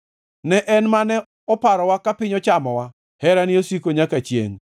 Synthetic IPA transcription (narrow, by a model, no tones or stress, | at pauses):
nɛʔɛnmanɛ | ɔpaɾɔwakapɪɲɔt͡ʃamɔwa | hɛɾaniosikoɲakat͡ʃjḛŋ